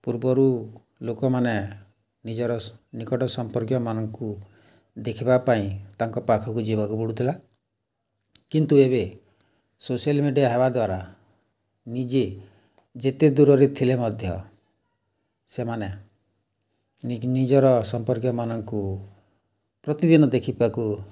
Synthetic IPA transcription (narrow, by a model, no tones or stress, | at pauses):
puɾbɔɾu | lokɔmane | nid͡ʒɔɾɔnikɔʈɔsɔmpɔɾkjɔmanɔŋku | d̪ekʰibapaĩt̪aŋkɔpakʰɔkud͡ʒibɔkubuɽut̪ʰila | kint̪uebe | sosijɔlmeɖijaɦebad̪waɾa | nid͡ʒe | d͡ʒet̪ed̪uɾɔɾit̪ʰilemɔd̪ʱjɔ̰ | semane | nid͡ʒɔɾɔsɔmpɔɾkjɔmanɔŋku | pɾɔt̪id̪inɔd̪ekʰibaku